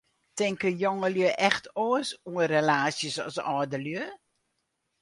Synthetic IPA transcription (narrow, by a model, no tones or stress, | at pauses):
tɪŋkəjoŋəljəʔɛxtʰoəsuərelaːsjəsɔ̰sɔːdəljø